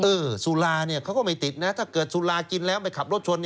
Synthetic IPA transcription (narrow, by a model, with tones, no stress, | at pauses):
ʔɤː˧˩suː˧˩laː˧ni˥˩ɐkʰa˦˥wkɔː˥˩ma˧˩jt̪i˨˩t̪̚na˦˥t̪ʰaː˥˩kɤː˨˩t̪̚suː˧˩laː˧ki˧nlɛː˦˥wma˧jkʰa˨˩p̚o˥˩t̚t͡ɕʰu˧ən˧